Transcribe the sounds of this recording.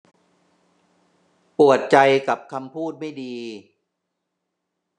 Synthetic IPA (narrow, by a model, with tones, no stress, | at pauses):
pu˨˩ət̪̚t͡ɕa˧jka˨˩p̚kʰa˧mpʰuː˥˩t̪̚ma˥˩jdiː˧